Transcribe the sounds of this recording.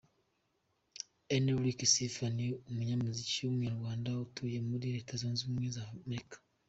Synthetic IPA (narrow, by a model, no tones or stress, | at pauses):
eneɾikisifaniumuɲamuziciwumɲaɾɡwaːndautujemuɾiɾeːtazonzimwezamekḁ